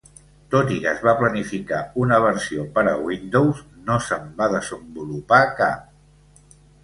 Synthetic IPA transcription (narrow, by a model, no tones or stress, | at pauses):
t̪ot̪ikəzβaplənifikaunəβəɾsiopəɾəwind̪owznosəmbaðəzəmbulupaka